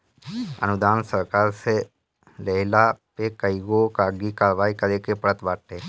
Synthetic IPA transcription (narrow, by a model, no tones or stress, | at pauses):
ə̰nud̪aːnsəɾkaɾse | ləɦlapekəiɡokaɡikaɾʋaikəɾekepɾət̪ʋaʈe